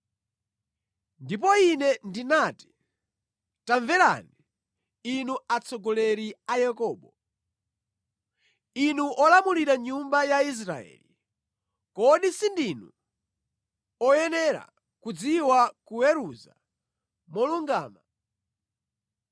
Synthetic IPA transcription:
ndip̬ɔinɛndinati̥ | taɱvɛla̰ni | inuat͡sʰɔɡɔlɛɾiajɛkɔːɓɔ | inuʔɔlamuliɾaɲumbajais̬ɾa̰ɛ̰li | kɔɗisindinu | ɔjɛnɛɾa̰ | kud͡ziwakujɛɾuza̰ | mɔluŋɡaːma

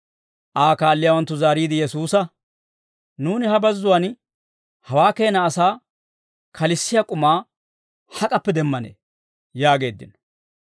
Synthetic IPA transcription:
ʔaːkaːlːɪjaːwɐnt̪ːʊzaːɾiːd̪ɪjɛsuːsɐ | nuːnɪhɐbɐzːʊwɐn | hɐwaːke̞ːnɐːsaː | kʰɐlɪsːɪjɐkʼʊmaː | hɐkʼɐpːɛd̪ɛmːɐnḛː | jaːɡe̞ːd̪ːɪ̰nɔ

